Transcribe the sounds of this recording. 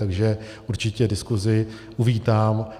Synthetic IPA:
t̪aɡʒɛ | ʔuɾt͡ʃɪcɛdɪskuzɪ | ʔuviːt̪aːm

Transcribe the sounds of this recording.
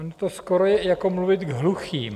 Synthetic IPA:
not̪oskoɾojɛjakomluvɪt̪ɡɦluxiːm

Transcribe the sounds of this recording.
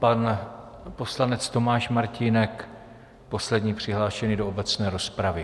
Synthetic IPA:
panpo̞slanɛt͡st̪o̞maːʃmaɾcinɛk | po̞slɛdɲiːpr̝̥ɪɦlaːʃɛniːdo̞ʔobɛt͡snɛːɾo̞spɾavɪ

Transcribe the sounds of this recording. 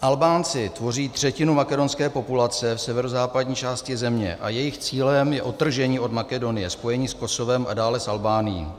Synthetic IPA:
ʔalbaːnt͡sɪt̪vo̞riːt̪r̝̥ɛcɪnumakɛdo̞nskɛːpo̞pulat͡sɛfsɛvɛɾozaːpadɲiːt͡ʃaːscɪzɛmɲɛ̰ʔa̰jɛjɪxt͡siːlɛmjɛʔo̞t̪ːr̩ʒɛɲiːʔo̞dmakɛdo̞nɪjɛspo̞jɛɲiːsko̞so̞vɛmʔa̰daːlɛsʔalbaːnɪjḭː

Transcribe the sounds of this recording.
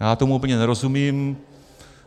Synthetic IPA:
at̪umupəɲanaɾosumim

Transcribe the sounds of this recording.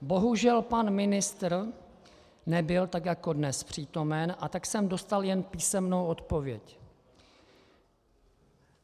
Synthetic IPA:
bo̞ɦuʒɛlpanmɪnɪst̪r | nɛbɪlt̪akjako̞dnɛspr̝̥iːt̪o̞mɛnʔat̪aksɛmdo̞st̪aljɛnpiːsɛmnowo̞t̪po̞vjɛc

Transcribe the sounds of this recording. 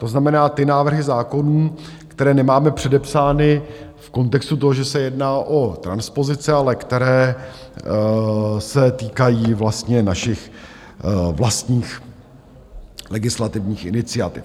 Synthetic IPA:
t̪o̞znamɛnaːt̪ɪnaːvr̩ɦɪzaːko̞nuːkt̪ɛɾɛːnɛmaːmɛpr̝̥ɛdɛpsaːnɪfko̞nt̪ɛkst̪ut̪oɦoʒɛsɛjɛdnaːʔo̞t̪ɾanspo̞zɪt͡sɪalɛkt̪ɛɾɛː | sɛt̪iːkajiːvlast̪ɲɛnaʃɪx | vlast̪ɲiːx | lɛɡɪslat̪ɪvɲiːxʔɪnɪt͡sɪat̪ɪ̰f

